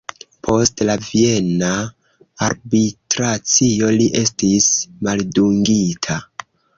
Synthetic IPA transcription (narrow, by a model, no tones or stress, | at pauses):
pʰo̞stlavie̞naː | ɾbitɾat͡sio̞liʔe̞stismalduŋɡitʰa